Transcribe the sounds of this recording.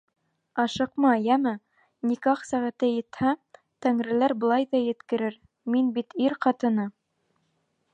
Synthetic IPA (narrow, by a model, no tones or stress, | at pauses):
ɑʃɤ̆qmɑjæmɘ | nikɑqsæʁæt̪ɘjɘ̆t̪hæ | t̪æŋɾɘ̆læɾbɤ̆lˠɑjðɑjɘ̆t̪kɘ̆ɾɘɾ | minbit̪iɾqɑt̪ɤ̆nɤ